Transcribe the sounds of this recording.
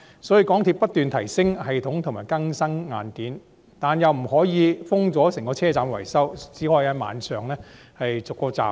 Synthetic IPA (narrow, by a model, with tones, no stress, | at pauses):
sɔː˨˥jiː˧kɔː˨˥ŋt̪ʰiː˧pːɐ˥t̚t̪yː˨nt̪ʰɐ˨˩jsɪ˥ŋhɐ˨jt̪ʰʊ˨˥ŋt̪ʰʊ˨˩ŋmaː˨˩jkɐ˥ŋsɐ˥ŋːaː˨˧nkiː˨˥n | t̪aː˨njɐ˨wm̩˨˩ɦɔː˨˥jiː˨˧fʊ˥ŋt͡sɔː˨˥sɪ˨˩ŋkɔː˧t͡sʰɛː˥t͡saː˨mwɐ̰˨˩jsɐ˥wt͡siː˨˥hɔː˨˧jaː˨˧ma̰ː˨nsœː˨ŋlɛː˥ | hɐ˨jt͡sʊ˨˩kːɔː˧t͡sa̰ː˨